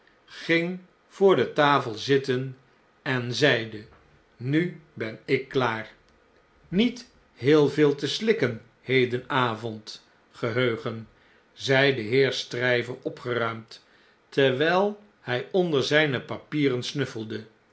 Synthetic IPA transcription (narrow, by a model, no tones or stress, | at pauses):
χɪŋ | v̥ʊːɹdətaːfəlˠzɪtən | ɛnzɛjdə | nybɛnɪkːlaːr | nit | ɦɪːlˠvɪːlˠtəslɪkən | hejdənaːvɔnt | χəɦøɥχən | zɛjdəɦɪːɹstrɛjvəɹɔpχərœɥmt | tɛɹʋɛjlˠ | hɛjɔndəɹzɛjnəpapiːrənsnɵfəlˠdə